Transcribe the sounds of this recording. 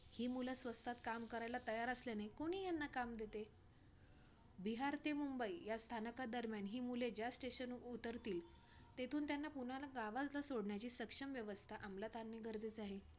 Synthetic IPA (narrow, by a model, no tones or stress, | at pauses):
hiːmuləsʋəst̪ʰat̪kamkəɾajlat̪əjaɾəslanajkoɽ̃iːjanːakamd̪et̪e | biɦaɾt̪emumbəijast̪ʰanəkad̪əɾmjanɦiːmuled͡ʑjasʈeɕənut̪əɾt̪iːl | t̪et̪ʰuːnt̪janːapuɽalaɡaʋad͡zlasoɽɳjat͡ɕiːsəkʂəmʋjəʋəst̪ʰaʔamlat̪anmeɡəɾd͡zet͡saɦe